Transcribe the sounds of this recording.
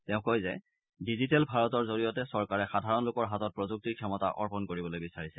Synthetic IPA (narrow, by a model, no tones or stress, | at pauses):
tɛʊ̃kojzɛ̰ | dizitɛlbʱaɹɔtɔɹzoɹijɔtɛsɔɹkaɹɛxadʱaɹɔnlʊkɔɹɦatɔt̚pɹozuk̚tiɹkʰɛmɔta̰ʔɔ̰ɹpɔnkoɹibɔlojbisaɹisɛ